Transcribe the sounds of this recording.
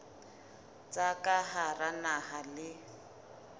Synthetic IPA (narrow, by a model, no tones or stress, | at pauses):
t͡sʼakʼaɦaranaɦalɪ